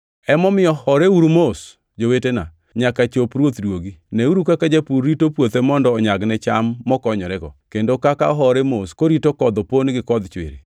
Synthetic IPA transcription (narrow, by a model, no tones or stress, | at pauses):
ɛmɔmɪɔhɔɾeuɾumos | d͡ʒowetena̰ | ɲakat͡ʃopɾwot̪dwoɡinɛuɾukakad͡ʒepuɾːitopwot̪emɔndɔːɲaɡnɛt͡ʃamːɔkɔɲɔɾɛɡɔ̰kendokaka̰ɦɔɾɛmoskoɾitokɔd̪ɔponɡɪkɔd̪t͡ʃwɪ̰ɾḛ